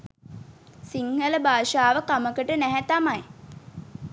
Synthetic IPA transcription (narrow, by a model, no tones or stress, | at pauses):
siŋhələbaːʃaːʋəkaməkəʈənæɦæt̪amaj